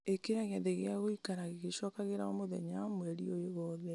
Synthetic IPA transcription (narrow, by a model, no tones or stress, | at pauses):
ekeɾaɣeaðeɣeaɣoikaɾaɣeɣeʃɔkaɣeɾaɔmoðɛ̰ɲamwɛɾiojoɣɔðɛ